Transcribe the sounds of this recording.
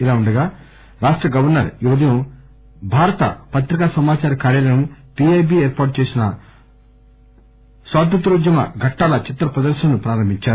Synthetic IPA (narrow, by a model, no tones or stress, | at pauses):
ilaːuɳɖɐɡaː | ɾaːʂʈɾɐɡɐʋɐɾnɐɾjuʋɐd̪ɐjɐm | bʱaːɾɐt̪ɐ̰pɐt̪ɾikaːsɐmaːt͡ʃaːɾɐkaːɾjɐlɐnɐmpiːejbiːeːɾpaːʈt͡ʃeːsinɐ | sʋaːd̪ɐt̪ɾuːd͡ʒ̪jɐmɐ̰ɡʱɐʈːaːlɐt͡ʃit̪ːɾɐpɾɐd̪ɐɾʃɐnupɾaːɾɐmbiɲt͡ʃaːɾu